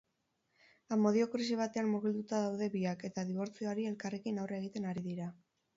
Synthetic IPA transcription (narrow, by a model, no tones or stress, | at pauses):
amo̞ðio̞kɾis̬iβ̞at̪e̞anmuɣild̪ut̪aðawðe̞βiake̞t̪aðiβ̞o̞ɾt͡sioaɾie̞lkare̞kinawre̞ɣ̞it̪e̞naɾiðiɾa